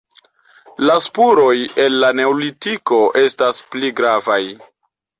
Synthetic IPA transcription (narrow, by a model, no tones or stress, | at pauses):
laspuɾo̞je̞lːane̞olitiko̞ʔe̞staspliɡɾavaj